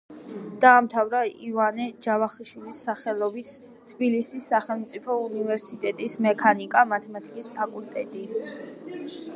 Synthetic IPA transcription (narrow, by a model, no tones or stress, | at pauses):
d̪̥aːmt̪ʰavɾaivanɛd͡ʒavaχiʃwilisːaχɛlˠɔbis | t̪ʰbilisisːaχɛlˠmt̪sʼipʰɔunivɛɾsit̪ʼɛt̪ʼismɛkʰanikʼamat̪ʰɛmat̪ʰi̥kʼispʰakʼult̪ʼɛt̪ʼi